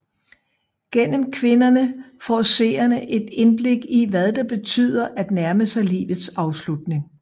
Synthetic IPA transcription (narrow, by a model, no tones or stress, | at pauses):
ɡ̥en̰m̩kʰʋe̝nɐnəfɒ̰ːse̝̰ːɐnəʔe̝d̥e̝nb̥le̝ɡ̥iʋæðˠd̥ɑ̈b̥e̝t͡sʰy̰ːð̰ˠɐʔæd̥næɐməsɑ̈ɪlḭːʋð̞̩ˠsɑ̈ʊslud̥ne̝ŋ